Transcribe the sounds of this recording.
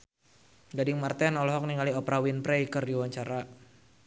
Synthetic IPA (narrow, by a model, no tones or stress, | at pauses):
ɡadɪŋmart̪ɛnɔlɔɦɔk̚niŋaliɔpɾawinpɾɛjkərdiwaɲt͡ʃaɾa